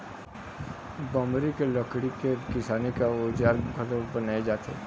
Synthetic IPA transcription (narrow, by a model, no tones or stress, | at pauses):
bɔ̃ːmɾikelɔːkɽikekɪsaːnikaoːd͡ʒaːɾɡʱɐɾobɐnaːed͡ʒaːt̪ḛː